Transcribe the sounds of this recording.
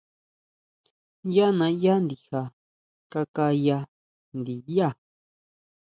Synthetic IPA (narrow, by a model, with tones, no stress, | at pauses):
ja˦nã˧˦ja˦nd̪i˨ha˨ | ka˧ka˧ja˧ | nd̪i˨ja˦˨